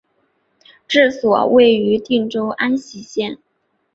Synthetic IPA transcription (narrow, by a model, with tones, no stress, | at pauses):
ʈ͡ʂɻ̩˥˩swɔ˨˩we˥˩ɪy˧˥t̪i˥˩ŋʈ͡ʂo˥ʊʔa˥nɕi˧˥ɕjɛ˥˩n